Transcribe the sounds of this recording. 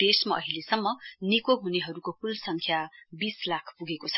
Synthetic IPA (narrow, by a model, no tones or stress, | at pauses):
ʈesmaʌ̰ɦilesʌmːʌnikoɦuneɦʌɾukopulsʌŋkʰjabislakʰpuɡekot͡sʰʌ̥